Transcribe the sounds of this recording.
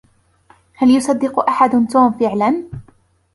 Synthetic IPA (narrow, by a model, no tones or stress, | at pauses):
haljʊsˤɑd̪ːɪqʊʔaħad̪t̪uːmfɪʕlan